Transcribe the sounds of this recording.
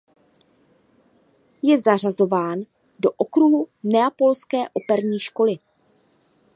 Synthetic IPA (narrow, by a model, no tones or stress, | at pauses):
jɛzar̝azo̞vaːn | do̞ʔokɾuɦunɛapo̞lskɛːʔo̞pɛɾɲiːʃko̞lɪ